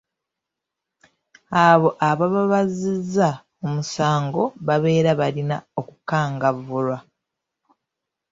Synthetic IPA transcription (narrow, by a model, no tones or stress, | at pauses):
aβo̞ʔaβaβaβazizːa | omusaːŋɡo̞βaβe̞ːɾaβalina̰o̞kukaːŋɡaβvulwa